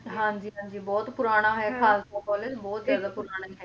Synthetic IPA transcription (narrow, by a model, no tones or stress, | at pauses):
ɦãːɲd͡ʑiːɦãːd͡ʑiːbɔːt̪pʊɾaːɽ̃ãɦɛxaːst̪okɔːlebɔːt̪zaɾd̪apʊɾaːɽ̃aɦɛ